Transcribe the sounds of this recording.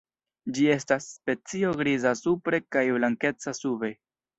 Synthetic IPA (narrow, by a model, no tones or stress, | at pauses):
d͡ʒie̞stasːpe̞t͡sio̞ɡɾizasupɾe̞kajblaŋke̞t͡sasube̞